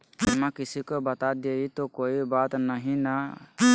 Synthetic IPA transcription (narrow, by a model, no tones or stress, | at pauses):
ɪmakɪsikobɐt̪ad̪eit̪okoibat̪nəɦĩna